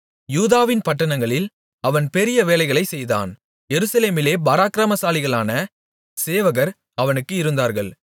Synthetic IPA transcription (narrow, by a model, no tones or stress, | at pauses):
juːðaːʋɪnpɐʈːɐnɐŋɡɐɭɪl | ɐʋɐnpɛɾɪjɐʋeːlɐɪɣɐɭɐɪsɛjða̰ːn | jɛɾɯsɐleːmɪleːbaːɾaːkɪɾaːmɐsaːlɪɣɐɭaːnɐ | seːʋɐɣɐɾ | ɐʋɐnɯkːɯɪɾɯnd̪aːɾɣɐɭ